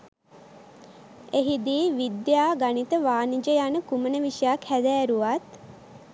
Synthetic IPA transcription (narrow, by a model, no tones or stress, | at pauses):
eɦid̪iːʋid̪jaːɡanit̪əʋaːnid͡ʒəjanəkumənəʋiʃəjakhæd̪æːɾuʋat̪